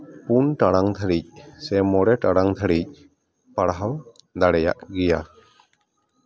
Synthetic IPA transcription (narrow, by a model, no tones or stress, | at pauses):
punʈaɽaŋd̪ʱəɾic̚sɛmɔɽɛʈaɽaŋd̪ʰʱəɽic̚ | paɽaɦaw | d̪aɽɛja̰ʔɡɛja̰